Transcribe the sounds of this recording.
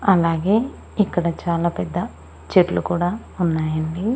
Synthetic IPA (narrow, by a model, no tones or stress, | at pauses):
ɐlaːɡe̞ː | ikːɐɽɐt͡ʃaːlaːpɛd̪ːɐ | t͡ʃeʈlukuːɽaː | unːaːjɐɳɖi